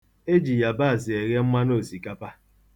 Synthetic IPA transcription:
e˦d͡ʒi˨ja˨ba˦˨zɪ˨e˨ɣe˦ŋ͡m̩˦ma˦no˦˨si˨ka˦pa˦

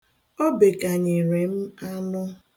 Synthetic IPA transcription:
o˦be˨ka˨ɲɪ˨ɾe˨m̩˦a˦nʊ˦

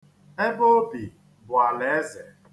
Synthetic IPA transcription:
e˦bo˦bi˨ | bʊ˨a˨le˨˦ze˨

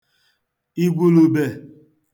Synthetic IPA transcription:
i˦ɡʷu˦lu˦˨be˦˨

